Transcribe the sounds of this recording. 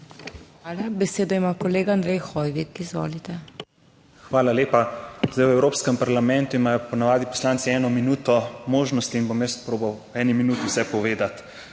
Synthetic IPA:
xʋaːlabɛseːd̪ɔjmaːkɔleːɡaand̪ɾɛjxɔjʋikːiːzʋo̰ːlit̪ɛ | xʋaːlaleːpazd̪ajwɛwɾoːpskɛmpaɾlamɛ̃nt̪uimaːjɔpɔnaʋaːd̪ipɔ̥slaːnt̪siɛːnɔminuːt̪ɔmoːʒnɔst̪iːnbomjəspɾoːbawɛːniminuːt̪iwsɛpɔʋeːd̪at̪

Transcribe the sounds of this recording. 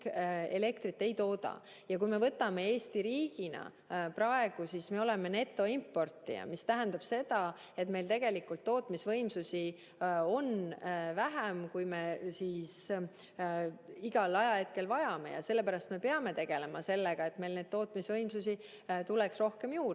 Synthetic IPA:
e̞le̞kt̪ɾit̪ːe̞jt̪o̞ːd̪̥ɑ̰ | jɑkujme̞vɤt̪ːˑɑme̞e̞ːsʲt̪iɾiːɡ̥inɑ̰ | prɑe̞ɡ̥usisme̞o̞le̞me̞ne̞t̪ːˑo̞impːˑo̞rt̪ːˑḭjɑ̰mist̪æɦænd̪̥ɑb̥se̞d̪̥ɑ | e̞t̪me̞jlt̪e̞ɡ̥e̞likːult̪ːo̞ːt̪ːˑmisvɤjmsusi | o̞nvæɦæmkujmesiːs | iɡ̥ɑlɑjɑhe̞t̪̚ke̞lvɑjɑme̞̰jɑ̰se̞lːe̞pæɾɑst̪me̞pe̞ɑme̞t̪e̞ɡ̥e̞le̞mɑse̞lːeɡ̥ɑe̞t̪me̞jlne̞d̪̥̚t̪ːo̞ːt̪misvɤjmsusi | t̪ulɛksro̞hke̞mjuːr

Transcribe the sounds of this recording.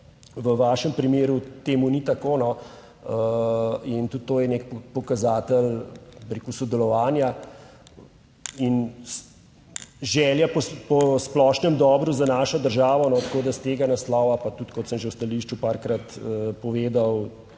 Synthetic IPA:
ʋəʋaːʃəmpɾimeːɾut̪eːmunit̪akoːnɔ | ə | int̪ut̪ːoːjɛnekpɔkazaːt̪əlbɾekusɔd̪ɛlɔʋaːnja | in | ʒɛːljapɔpɔsplɔːʃnɛmd̪ɔːbɾuzanaːʃɔd̪əɾʒaːʋɔnɔt̪ḁkoːd̪ast̪eːɡanaslɔːʋapat̪ut̪kɔt̪səmʒewst̪aliːʃt͡ʃupaːɾkɾat̪əpɔʋeːd̪aw

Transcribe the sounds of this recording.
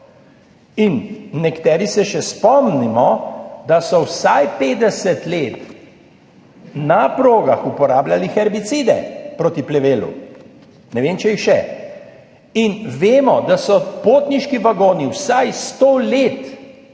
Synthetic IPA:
inːɛkt̪ɛːɾisɛʃɛspɔmnimɔd̪asɔwsajpeːd̪ɛsɛt̪leːt̪ | napɾoːɡaxupɔɾaːblʲjalixɛɾbit̪siːd̪ɛ̰pɾoːt̪iplɛʋeːlṵ | nɛʋeːmt͡ʃɛixʃɛ̰ | inʋeːmɔd̪asɔpoːt̪niʃkiʋaɡoːniwsajst̪oːleːt̪

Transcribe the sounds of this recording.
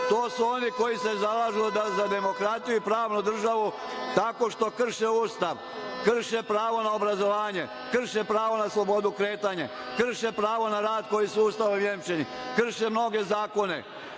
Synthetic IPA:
t̪o̞ːsuo̞niko̞jise̞zalaːʒild̪azad̪e̞mo̞kɾat̪ijuipɾaːʋnud̪r̩ʒaʋu | t̪ako̞ʃt̪o̞kr̩ʃeuːst̪aʋ | kr̩ʃe̞pɾaːʋo̞nao̞bɾazo̞ʋaːɲe | kr̩ʃe̞pɾaːʋo̞naslˠo̞bo̞d̪ukɾe̞ːt̪aɲe | kr̩ʃepɾaːʋo̞naɾaːd̪ko̞jisuuːst̪aʋomjemt͡ʃeni | kr̩ʃemno̞ɡe̞zaːko̞ne̞̰

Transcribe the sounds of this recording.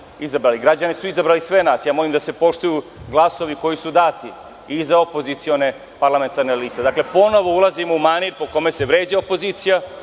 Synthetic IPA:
izabɾaːliɡɾad͡ʑanisuizabɾaːlisʋe̞naːsjaːmo̞limd̪ase̞po̞ʃt̪ujuɡlˠaso̞ʋiko̞jisud̪aːt̪i | izaopo̞zit̪sio̞ne̞ | paɾlˠame̞nt̪aɾneliːst̪ed̪akle̞po̞no̞ʋo̞ulˠazimoumaniɾpo̞ko̞me̞seʋɾeːd͡ʑaopo̞ziːt̪sija

